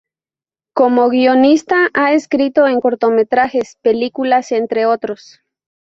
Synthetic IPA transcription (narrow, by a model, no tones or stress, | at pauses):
komoɣionist̪aʔaeskɾit̪oeŋkoɾt̪omet̪ɾaxespelikulasent̪ɾeot̪ɾos